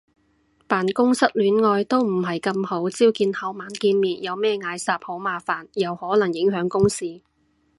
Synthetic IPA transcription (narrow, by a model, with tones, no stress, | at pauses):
paː˨˩nkʊ˥ŋsɐ˥t̚lyː˨˥nŋɔː˧jt̪o˥wm̩˨˩ɦɐ˨jkɐ˧mho˨˥wt͡siː˥wkiː˧nhɐ˨˥wmaː˨˥nkiː˧nmiː˨t̚jɐ˨˧wmɛː˥ŋaː˨˧jsaː˨p̚ho˨˥wmaː˨faː˨˩njɐ˨whɔː˨˥lɐ˨˩ŋjɪ˨˥ŋɦœː˨˥ŋkʊ˥ŋsiː˥